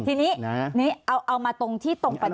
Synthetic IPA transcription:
t̪ʰiː˧niː˦˥niː˦˥ʔa˧wʔa˧wmaː˧t̪o˧ŋt̪ʰiː˥˩t̪o˧ŋpa˧

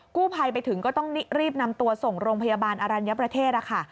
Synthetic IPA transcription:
kuː˥˩pʰa˧jpa˧jt̪ʰɯ˩˦ŋkɔː˥˩t̪ɔ˥˩ŋni˦˥ɾiː˥˩p̚na˧mt̪u˧ɐso˨˩ŋɾoː˧ŋpʰa˧jaː˧baː˧nʔa˧ɾa˧nja˦˥pɾa˧t̪ʰeː˥˩t̪̚ʔa˦˧˩kʰa˥˩

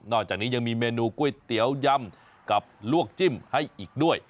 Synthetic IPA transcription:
nɔː˧˩t͡ɕaː˨˩k̚niː˨˦˥ɲa˧ŋmiː˧meː˧nuː˧ku˧˩ə˨jt̪i˨˦əwja˧m | ka˨˩p̚lu˦˥˩ək̚t͡ɕi˧˥˩mha˥˩jʔiː˨˩k̚ɗu˥˩əj

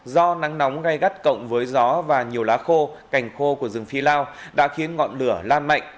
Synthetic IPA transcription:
zɔ˧na˨˦ŋnɔ˨˦wŋ͡mɣa˧jɣa˦˥t̚kə̰˧˨wŋ͡mvəː˨˦jzɔ˨˦vaː˨˩ɲi˨˩əwlaː˨˦xo˧ka˨˩jŋ̟xo˧ku˧˩əzɨ˨˩ŋfi˧laː˧wɗa̰ː˧˥xi˨˦ənŋɔ̰˧˨nlɨ˧˩əlaː˧nma̰˧˨jŋʔ

